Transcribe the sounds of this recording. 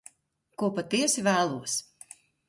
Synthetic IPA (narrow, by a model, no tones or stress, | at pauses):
kuɔpat̪iɛsivæːlˠuɔs